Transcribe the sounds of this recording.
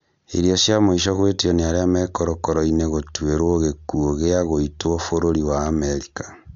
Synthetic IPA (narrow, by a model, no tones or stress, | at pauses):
ḭɾjosjamoiʃɔɣwetioneaɾeamɛːkoɾɔkɔɾɔineɣotweɾwoɣekuoɣeaɣoitwofoɾoɾiwaːmeɾikḁ